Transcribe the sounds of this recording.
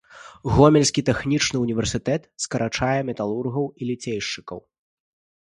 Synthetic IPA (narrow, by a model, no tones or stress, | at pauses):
ɣɔmʲɛlʲsʲkʲit̪ɛxnʲit͡ʂnɨunʲivʲɛrsɨt̪ɛt̪skɐɾʔat͡ʂajɛmʲɛt̪alˠurɣɐwilʲit͡sʲejʂt͡ʂɨ̥kɐ̰w